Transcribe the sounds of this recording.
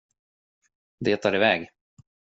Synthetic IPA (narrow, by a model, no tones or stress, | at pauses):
d̪eːt̪ʰːɑːɾɪvɛːɡ